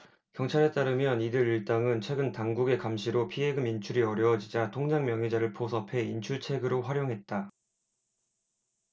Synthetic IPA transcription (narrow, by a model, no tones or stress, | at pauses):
kjʌŋt͡ɕʰaɾe̞t͈aɾɯmjʌnidɯɾiɭt͈aŋɯnt͡ɕʰwe̞ɡɯntaŋɡuɡe̞kamɕʰiɾopʰiɦe̞ɡɯmint͡ɕʰuɾiʌɾjʌʌd͡ʑid͡ʑatʰoŋd͡ʑaŋmjʌŋɦid͡ʑaɾɯɭpʰosʰʌpʰe̞int͡ɕʰuɭt͡ɕʰe̞ɡɯɾoɸwaɾjoŋɦe̞t̚t͈a